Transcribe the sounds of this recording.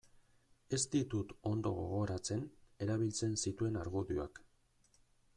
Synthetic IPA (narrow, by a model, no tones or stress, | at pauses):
e̞st̪it̪ut̪o̞nd̪o̞ɣo̞ɣ̞o̞ɾat͡se̞ne̞ɾaβ̞ilt͡se̞nsit̪ue̞naɾɣuðua̰k